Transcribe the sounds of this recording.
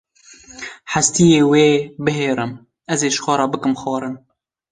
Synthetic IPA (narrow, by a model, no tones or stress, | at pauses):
ħast̪ijeːweːbɨɦeːɾɨm | ʔɛzeːʃxʷɑːɾˤɑːbɨkɨmxɑːɾɨn